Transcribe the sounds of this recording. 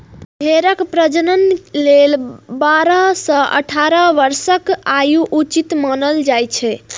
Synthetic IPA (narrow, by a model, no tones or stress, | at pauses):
ɦeɾəkpɾəd͡ʒənənlelbaɾəsə̃ʔə̰ʈʰaɾəʋəɾsəkajuʔut͡ʃit̪manəld͡ʒajt͡ʃʰɛ